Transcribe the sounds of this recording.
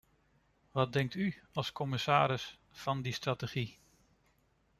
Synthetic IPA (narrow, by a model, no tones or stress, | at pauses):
ʋɑd̚dɛŋk̚tyɑlˠskɔmɪsaːɾɪs | fɑndistratəχi